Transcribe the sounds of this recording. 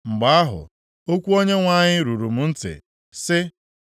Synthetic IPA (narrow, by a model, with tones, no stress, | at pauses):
ŋ͡m̩˨ɡ͡ba˨˦a˦ɦʊ̰˨ | o˦kʷu˦o˦ɲe˦ŋʷa˦ɲɪ˦ɾu˨ɾu˨mʊ˨n̩˦tɪ̰˨ | sɪ˦